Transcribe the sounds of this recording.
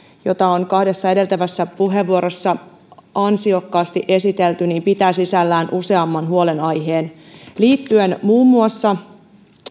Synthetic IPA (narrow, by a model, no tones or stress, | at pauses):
jo̞t̪ɑonkɑhde̞sːɑe̞de̞lt̪æʋæsːæpuɦe̞ʋːuo̞ɾo̞sːɑ | ɑnsio̞kːɑːst̪iʔe̞sit̪e̞lt̪yniːmpit̪æːsisælːæːnʔuse̞ɑmːɑnɦuo̞le̞nɑjɦe̞ːn | liːt̪ːye̞nmuːmːuɑsːɑ